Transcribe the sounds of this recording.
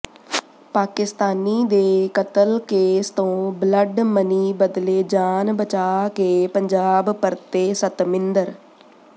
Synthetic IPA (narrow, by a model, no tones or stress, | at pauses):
paːkɪst̪aːniːd̪eːkət̪əlkeːst̪õːbləɖməniːbəd̪leːd͡ʒaːnbət͡ʃaːkeːpəɲd͡ʒaːbpəɾt̪eːsət̪mɪnd̪əɾ